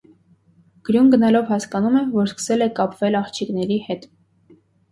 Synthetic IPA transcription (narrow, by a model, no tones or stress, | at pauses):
ɡ̥ɾjunɡənɑlɔvhɑskɑnumɛvɔɾskə̥sɛlɛkɑpvɛlɑχt͡ʃʰiknɛɾihɛt̪